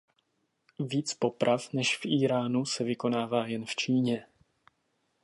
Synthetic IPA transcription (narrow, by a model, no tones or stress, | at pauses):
viːt͡spo̞pɾʔafnɛʃfʔiːɾaːnusɛvɪko̞naːvaːjɛnft͡ʃiːɲɛ